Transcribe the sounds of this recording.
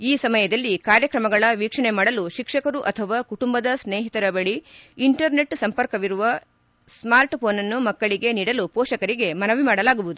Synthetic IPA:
iːsɐmɐjɐd̪ɐlːikaːɾjɐkɾɐmɐɡɐɭɐʋiːkʂɐɳemaːɽɐluʃikʂɐkɐɾuʔɐt̪ʰɐʋaːkuʈumbɐd̪ɐsneːɦit̪ɐɾɐbɐɭiiɳʈɐɾne̞ʈsɐmpɐɾkɐʋiɾuʋɐ | smaːɾʈpoːnɐnːumɐkːɐɭiɡe̞niːɽɐlupɔːʃɐkɐɾiɡe̞mɐnɐʋimaːɽɐlaːɡuʋud̪u

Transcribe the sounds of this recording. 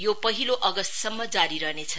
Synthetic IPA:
jopʌɦiloʔʌɡʌst̪sʌmːʌd͡zaɾiɾʌnet͡sʰʌ

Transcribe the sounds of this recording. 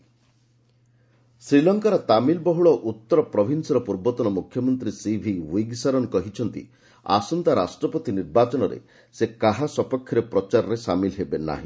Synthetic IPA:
sɾilɔŋkaɾɔt̪amilbɔɦuɭɔʔut̪ːɔɾɔpɾɔbʱinsɔɾɔpuɾbɔt̪ɔnɔmukʰjɔmɔnt̪ɾisibʱiwiɡsaɾɔnkɔɦit͡ʃʰɔnt̪ḭ | a̰sɔnt̪aɾasʈɾɔpɔt̪iniɾbat͡ʃɔnɔɾḛ | sekaɦasɔpɔkʰjɔɾepɾɔt͡ʃaɾɔɾesamilɦebena̰ɦḭ̃

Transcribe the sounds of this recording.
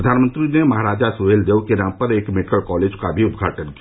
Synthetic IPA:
əd̪ʱaːnmə̃nt̪ɾinemɐɦaːɾaːd͡ʒasueːld̪eːʋkenãːmpɐɾeːkmɪʈkəlkɔːleːd͡ʒkabʱiʊd̪ɡʱaːʈənki

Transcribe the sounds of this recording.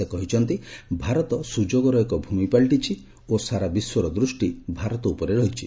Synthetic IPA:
ekɔɦit͡ʃʰɔnt̪ibʱaɾɔt̪ɔsud͡ʒoɡɔɾɔekɔbʱumipaɭʈit͡ʃʰi | osaɾabiswɔɾɔd̪ɾusʈibʱaɾɔt̪ɔupɔɾeɾɔɦit͡ʃʰi

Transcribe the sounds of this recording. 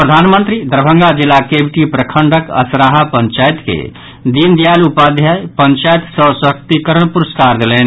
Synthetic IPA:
pɾəd̪ʱanmənt̪ɾid̪əɾbʱə̃ŋɡad͡ʒilːakebʱiʈipɾəkʰəɳɖəkə̰sɾaɦapəɲt͡ʃajt̪kḛ | d̪ind̪ijalupad̪ʱjajpəɲt͡ʃajt̪səsəɦək̚t̪ikəɾəɳpuɾəskaɾd̪elɛn

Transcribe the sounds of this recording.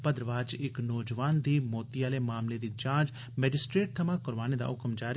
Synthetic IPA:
pəd̪ɾəʋaːd͡ʒɪknɔːd͡ʒʋaːnd̪iːmoːt̪iaːleːmaːmleːd̪iːd͡ʒãːnd͡ʒ | mɛːd͡ʒɪsʈɾeːʈ̚t̪ʰəmãːkəɾʋaːñed̪a̰ːʔʊkmd͡ʒaːɾ

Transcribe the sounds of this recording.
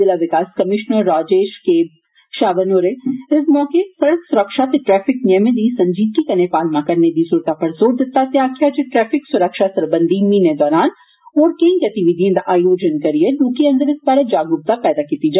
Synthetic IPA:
ɪlaʋɪkaːskɐmɪʃnəɾːaːd͡ʒeːʃkeːb | ʃaːʋənoːɾeɪsmɔːkesɐɽəksʊɾəkʃat̪eʈɾɛːfɪknɛmed̪isɐ̃ɲd͡ʒiːd̪̚kikɐnepaːlmãkɐɾned̪isuɾt̪apɐɾzoːɾd̪ɪt̪ːat̪jaːkijad͡ʒeʈɾɛːfʰɪksʊɾəkʃasɐɾbə̃nd̪ʱimined̪ɔːɾaːn | ɔːɾkɐĩɡɐt̪ɪʋɪd̪ʱiẽd̪aʔaːjoːd͡ʒənkɐɾielũːkiɐ̃nd̪əɾɪsbaːɾed͡ʒaːɡʊɾ̚t̪apɛːd̪akiːt̪id͡ʒaː

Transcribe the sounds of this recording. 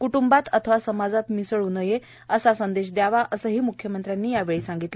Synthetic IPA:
kuʈumbat̪ət̪ʰəʋasəmad͡zat̪misəɭunəje | əsasənd̪eɕd̪jaʋaʔəsəːɦiːmukʰːjəmənt̪ɾjanːiːjaʋeɭeːsãŋɡit̪le

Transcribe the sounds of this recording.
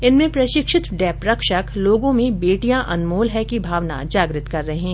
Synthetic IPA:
ɪnmẽpɾɐʃɪkʃɪt̪ɖɛːpɾɐkʃəkloːɡõmẽbeːʈijãʔɐ̰nmoːlɦɛkibʱaːʋna̰d͡ʒaːɡɾɪt̪kɐɾːɐɦeɦɛ̃ː

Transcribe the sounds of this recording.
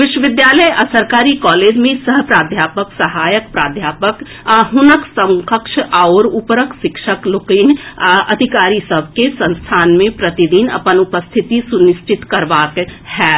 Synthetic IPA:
ʋɪʃwəʋɪd̪jaːləjʔɐsəɾkaːɾikɔːleːd͡ʒmẽsəɦpɾaːd̪ʱjaːpəksɐɦaːjək̚pɾaːd̪ʱjaːpək | ɦʊnəksə̃ŋkəkʃʔaoɾupɾəkʃɪkʃəklokiːnɐd̪ʱikaːɾisəbʱkesə̃nst̪ʰaːnmẽpɾət̪id̪inɐ̰pənʊpəst̪ʰɪt̪isʊnɪʃt͡ʃɪt̪kɐɾʋaːkɦɛː

